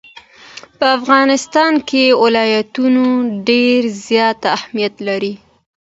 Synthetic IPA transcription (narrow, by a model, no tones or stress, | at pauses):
pəafɣɑnɪst̪ɑnkewɪlɑjat̪unoɖeɾzjɑt̪ahmijat̪laɾi